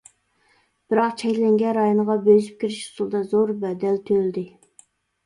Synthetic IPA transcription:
b̥ɪɾɑqt͡ʃʰɛkʲlɛŋɡʲɛnɾɑjonəʁɑbøzyp̚kʲʰiɾiʃu̥sulˠd̪ɑzoɾbɛd̪ɛlt̪ʰølɪd̪ɪ

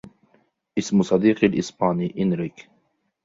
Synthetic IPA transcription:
ʔɪsmsˤɑd̪iːqalʔɪsbaːniːʔɪnɾɪk

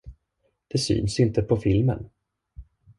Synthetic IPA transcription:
d̪̥ɛsy̰ːnsɪnt̪əpʰɔfɪlmə̰n

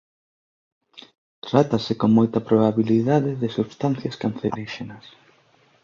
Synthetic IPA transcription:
t̪ɾat̪ɐsɪkoŋmojt̪ɐpɾoβaβiliðaðɪðɪsuβst̪anθjaɐskanθeɾiʃenɐs

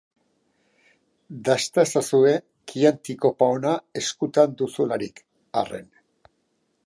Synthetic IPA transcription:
d̪ast̪asasue̞ | kiant̪iko̞paonae̞skut̪and̪usulaɾik | a̰re̞̰n

